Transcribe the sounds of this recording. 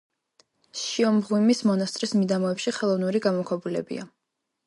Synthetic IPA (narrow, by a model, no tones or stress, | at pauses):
ʃiɔmʁwimismɔnast̪ʼɾismid̪amɔɛpʃiχɛlˠɔvnuɾiɡamɔkʰwɛbulɛ̰bḭa